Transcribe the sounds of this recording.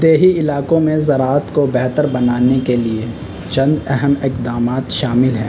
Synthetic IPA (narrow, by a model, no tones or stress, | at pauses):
d̪eːɦiɪlaːkõmẽzɐɾaːət̪kobɛɦt̪əɾbɐnaːnekelie | t͡ʃɐ̃nd̪ɛɦəmɪqd̪aːmaːt̪ʃaːmɪlɦɛ̰̃ː